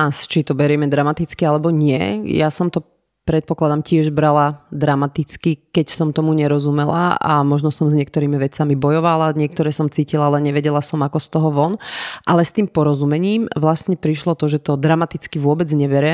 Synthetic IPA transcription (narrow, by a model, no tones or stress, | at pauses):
ast͡ʃit̪ɔbɛɾɪɛmɛd̪ɾamat̪it͡skialɛbɔɲɪɛ̰jasɔmt̪ɔ | pɾɛt̪̚pɔklad̪amcɪɛʒbɾalad̪ɾamat̪it͡skikɛcsɔmt̪ɔmuɲɛɾɔzumɛla̰a̰mɔʒnɔsɔmzɲɪɛkt̪ɔɾiːmiʋɛt͡samibɔjɔʋalaɲɪɛk̚t̪ɔɾɛːsɔmt͡siːcilalɛɲɛʋɛɟɛlasɔmakɔst̪ɔɦɔʋɔnʔalɛst̪iːmpɔɾɔzumɛɲiːmʋlasɲɛpɾiʃlɔt̪ɔʒɛt̪ɔd̪ɾamat̪it͡skiʋʊɔbɛd͡zɲɛʋɛɾɛ